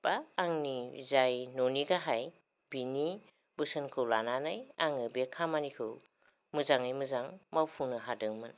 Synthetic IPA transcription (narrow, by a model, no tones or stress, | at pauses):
b̥aːŋnizajnoniɡaɦaj | b̥ini | bɯsɯnkʰɯwlananajaŋɯbekʰamanikʰɯw | mɯzaŋijmɯzaŋmawpʰunɯɦadɯŋmɯn